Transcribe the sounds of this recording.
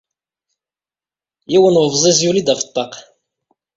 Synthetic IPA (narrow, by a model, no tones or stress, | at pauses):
jiwənʁvzˤizjulid̪æfə̥t̪ˤːɑq